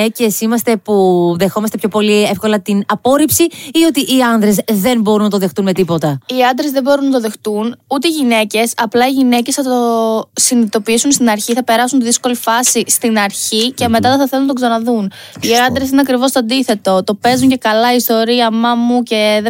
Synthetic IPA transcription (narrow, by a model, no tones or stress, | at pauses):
ece̞simɐst̪e̞puðe̞xo̞mɐst̪epço̞po̞liefko̞lɐt̪inɐpo̞ɾipsiio̞t̪iʔiɐnðɾe̞zðe̞nbo̞ɾunɐt̪oðe̞xt̪unme̞t̪ipo̞t̪ɐiɐnd̪ɾezðe̞bo̞ɾunːɐt̪o̞ðe̞xt̪unut̪eiʝine̞ce̞sɐplɐiʝine̞ce̞sθɐt̪o̞sinit̪o̞piisunst̪inɐɾçiθɐpe̞ɾɐsunt̪iðisko̞lifɐsist̪inɐɾçice̞me̞t̪ɐt̪ɐθɐθelunɐt̪oksɐnɐðuniɐnd̪ɾe̞sineɐkɾivo̞st̪oɐnd̪iθe̞t̪o̞t̪o̞pe̞zuɲce̞kɐlɐist̪o̞ɾiɐmɐmuce̞ð